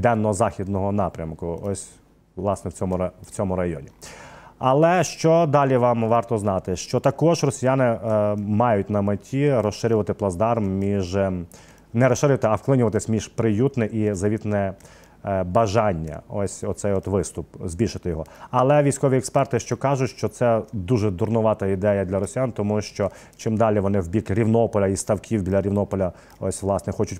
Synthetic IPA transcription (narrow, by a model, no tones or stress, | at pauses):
d̪ɛnːɔɦɔzɑxʲid̪nɔɦɔnɑpɾʲɐmkʊɔsʲ | ʋlˠɑsnɛwt͡sʲɔmʊɾɐwt͡sʲɔmʊɾɐjɔ̰nʲi | ɐlˠɛʃt͡ʃɔd̪ɑlʲiʋɑmʋɑrt̪ɔznɑt̪ɪʃt͡ʃɔt̪ɐkɔʒrɔsʲɪjanɪmɑjʊtʲnɐmɐtʲiɾɔsʃɪɾʲʊʋɐt̪ɪplˠɐzd̪ɑrmʲiʒ | nɛɾɔsʃɪɾʲʊʋɐt̪ɪɐwklˠɪnʲʊʋɐt̪ɪsʲmʲiʒpɾɪjut̪nɛʔizɐʋʲit̪nɛ | bɐʒɑnʲːɐ̰ɔsʲɔt̪sɛjɔt̪ʋɪst̪ʊp̚zʲbʲiʃɪt̪ɪjɔɦɔɐlˠɛʋʲijsʲkɔʋʲiɛkspɛrt̪ɪʃt͡ʃɔkɑʒʊtʲʃt͡ʃɔt̪sɛd̪uʒɛd̪ʊrnʊʋɑt̪ɐid̪ɛjɐd̪lʲɐɾɔsʲijant̪ɔmuʃt͡ʃɔ | t͡ʃɪmd̪ɑlʲiʋɔnɪwbʲikɾʲiwnɔpɔlʲɐist̪ɐwkʰʲiwbʲilʲɐɾʲiwnɔpɔlʲɐ | ɔ̰sʲʋlˠɑsnɛxɔt͡ʃʊtʲ